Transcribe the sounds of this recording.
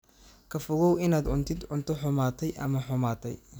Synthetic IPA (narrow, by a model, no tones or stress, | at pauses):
kʰɐfʊɣɔwɪnaːd̪ʊnt̪ʰɪd̪ʊnt̪ʰɔħʊmaːt̪ʰɛjʔɐ̰mɐħʊmaːt̪ʰɛ̰j